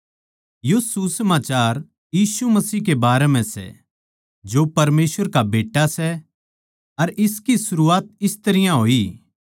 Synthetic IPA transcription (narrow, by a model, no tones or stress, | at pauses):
josusɐmaːt͡ʃaːɾ | jiːsumɐsiːɦkebaːɾemɛ̃sɛ̰ | d͡ʒopɐɾmeːsʋəɾkabeːʈːasɛ | ɐɾɪskisʊɾuaːt̪̚ɪst̪ɐɾɪjãɦoːiː